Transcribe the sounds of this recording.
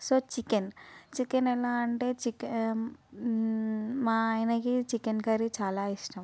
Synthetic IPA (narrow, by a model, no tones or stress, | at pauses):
sot͡ʃikent͡ʃikenɛlaːɳʈet͡ʃike | mãjnɐkit͡ʃikenkɐɾit͡ʃaːlaisʈɐm